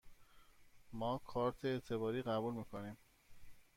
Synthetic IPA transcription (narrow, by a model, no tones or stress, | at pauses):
mɒːkʰɒːɾt̪ʰeːt̪ʰe̞βɒːɾiːɣæbuːlmiːkʰoniːm